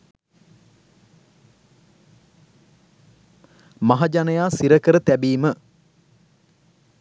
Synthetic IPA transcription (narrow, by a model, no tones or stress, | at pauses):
maɦad͡ʒanəjaːsiɾəkəɾət̪æbiːmə